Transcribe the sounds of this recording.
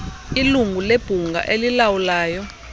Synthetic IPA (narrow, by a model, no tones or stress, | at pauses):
iluŋɡʱuleb̥ʱuŋɡʱa̰ʔelilawulaːjɔ